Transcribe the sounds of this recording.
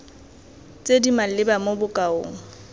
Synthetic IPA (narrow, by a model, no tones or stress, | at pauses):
t͡sʼedimalɪbamobʊkʼao̰ːŋ̩